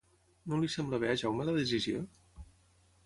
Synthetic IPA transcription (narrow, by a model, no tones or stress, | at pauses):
nolisembləβeaʒawmeləðez̬izio̰